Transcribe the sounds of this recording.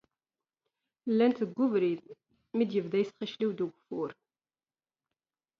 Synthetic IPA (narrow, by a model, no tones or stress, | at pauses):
lːænt̪əɡːuvɾið | mid̪jəvðæjsχiʃliwd̪əɡʷfʊɾ